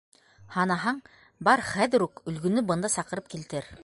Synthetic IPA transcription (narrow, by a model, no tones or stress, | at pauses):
hɑnɑɦɑɴ | bɑɾχæðɘ̆ɾukɵ̆lɡɵ̆nɵbɤ̆nd̪ɑsɑqɤ̆ɾɤp̚kilt̪ɘɾ